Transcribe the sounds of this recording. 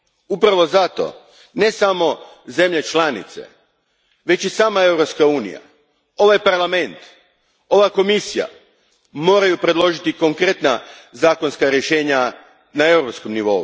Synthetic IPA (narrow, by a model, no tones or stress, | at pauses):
upɾaʋo̞zat̪o̰ | ne̞samo̞ | ze̞mʎe̞t͡ʃlˠanḭt̪se̞̰ | ʋe̞t͡ɕisaːmae̞wɾopskauːnḭja̰ | o̞ʋajpaɾlˠame̞nt̪ | o̞ʋako̞misija̰ | mo̞ːɾajupɾe̞d̪lˠo̞ʒit̪iko̞ŋkɾe̞t̪nazaːko̞nskaɾje̞ʃe̞ːɲa | nae̞wɾopskomniʋo̞̰ṵ